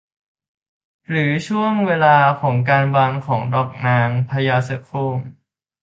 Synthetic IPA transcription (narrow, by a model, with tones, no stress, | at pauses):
ɾɯː˩˦t͡ɕʰu˥˩əŋweː˧laː˧kʰɔː˩˦ŋkaː˧nwa˧nkʰɔː˩˦ŋdɔː˨˩k̚naː˧ŋpʰa˧jaː˧se˧kʰoː˥˩m